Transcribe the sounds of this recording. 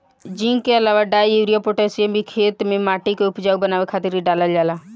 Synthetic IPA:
d͡ʒĩŋkeəlaːʋaɖaːjuɾijapoʈesijəbʱikʰeːt̪mẽmaːʈikeʊpd͡ʒaɡ̚bənaːʋekʰaːt̪ɪɾiɖaːləld͡ʒaːla

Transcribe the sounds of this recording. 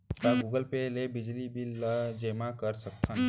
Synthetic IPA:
kaɡuːɡəlpelebɪd͡ʒlibiləd͡ʒeːmakəɾsək̚t̪ʰãn

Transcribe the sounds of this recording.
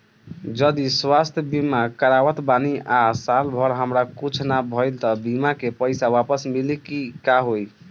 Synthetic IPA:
d͡ʒəd̪iswast̪ʰjəbimakəɾawət̪baniʔasalbʱəɾɦəmɾakut͡ʃʰnabʱəjlt̪ʌbimakepəjsawapəsmilikikaɦoj

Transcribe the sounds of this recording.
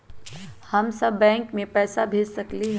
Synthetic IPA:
hɐmsɐbːɛ̃ːŋkmẽpɛːsabʱeːd͡ʒsɐkliɦɛ

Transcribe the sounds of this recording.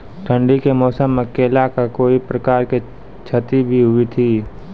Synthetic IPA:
ʈʰə̃ɳɖikemɔːsəmːekeːlakakoːipɾəkaːɾke | t͡ʃʰət̪ibʱiɦʊit̪ʰiː

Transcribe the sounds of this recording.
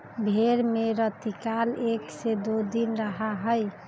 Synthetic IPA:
bʱeɾmeɾət̪ikaleksed̪od̪inɾəɦaɦəj

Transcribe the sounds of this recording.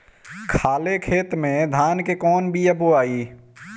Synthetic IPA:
kʰaːlekʰeːt̪mẽd̪ʱaːnkekɔːnbʱijəboaːiː

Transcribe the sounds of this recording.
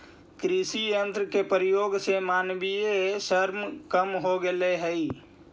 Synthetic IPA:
kɾisijənt̪ɾəkepɾijoɡsemanbiesəɾmkəmɦoɡeleɦəi

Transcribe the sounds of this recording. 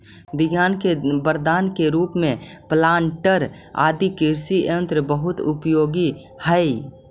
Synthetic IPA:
bɪɡjaːnkebəɾd̪aːnkeɾuːpmẽplaːɳʈəɾ | a̰ːd̪ikɪɾsiə̃nt̪ɾəbəɦʊt̪ʊpjoːɡi | həi

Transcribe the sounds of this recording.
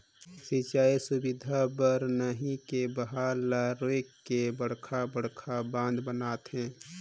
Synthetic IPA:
sit͡ʃaːisʊbɪd̪ʱabəɾnəɦĩkebəɦaːlaɾoekːebəɽ̤kʰabəɽ̤kʰabãːnd̪bənaːt̪ɦɛ̃ː

